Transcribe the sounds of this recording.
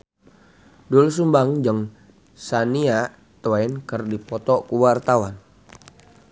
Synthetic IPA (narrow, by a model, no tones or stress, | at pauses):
duls̬umbaŋd͡ʒəŋ | sania | t̪wɛnkərdipɔt̪ɔkuwart̪awan